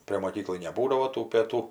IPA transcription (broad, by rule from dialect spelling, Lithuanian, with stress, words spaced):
pʲrʲeː moːˈkʲiːklˠɐɪ nʲɛˈbuːdɐʋoː tuː pʲeːˈtuː